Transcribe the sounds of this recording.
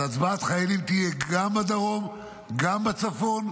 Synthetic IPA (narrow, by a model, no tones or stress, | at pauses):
at͡sbaːt̪χajelimt̪ijɛɡambad̪aʁo̞m | ɡambat͡safo̞n